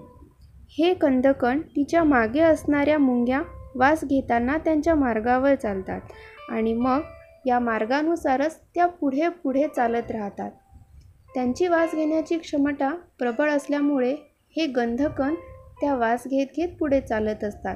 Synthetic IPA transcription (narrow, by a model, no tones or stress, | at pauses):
hekənd̪ʱəkəɳt̪it͡ɕjamaɡeəsɳaɾjamuŋɡʱjaʋasɡʱet̪anːat̪jaɲt͡ɕjamaɾɡaʋəɾt͡salt̪a̰t̪a̰ɽ̃iməɡ | jamaɾɡanusaɾət͡st̪japuɽ̤epuɽ̤et͡salət̪ɾaɦt̪a̰t̪̚ː | jaɲt͡ɕiːʋasɡʱeɳjat͡ɕiːkʂəmʈapɾəbəɭəsljamuɭe | heɡənd̪ʱəkəɳt̪jaʋasɡʱet̪ɡʱet̪̚puɽ̤et͡salət̪əst̪at̪̚